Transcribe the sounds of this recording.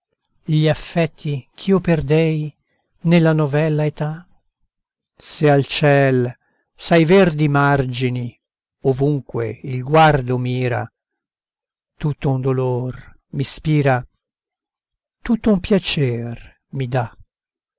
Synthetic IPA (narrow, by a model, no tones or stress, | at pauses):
ʎiafːɛt̪ʰːik̟ʰioperd̪ɛj | nelːanovɛlːaet̪a | sealt͡ʃɛl | sajvɛrd̪imard͡ʒini | ovuŋkwḛilɡward̪omiːɾa̰ | t̪ut̪ːound̪olor | mispiːɾa | t̪ut̪ːoumpjat͡ʃɛr | mid̪a